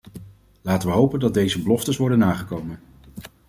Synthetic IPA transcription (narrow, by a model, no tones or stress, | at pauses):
laːtənʋəɦowpəndɑt̚d̚dejzəbəlɔftəsʋɔɹdənːaːχəkowmən